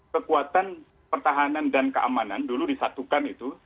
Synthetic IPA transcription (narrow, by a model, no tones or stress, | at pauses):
kəkuat̪an | pərt̪aɦanandankəʔa̰mananduludisat̪ukanit̪u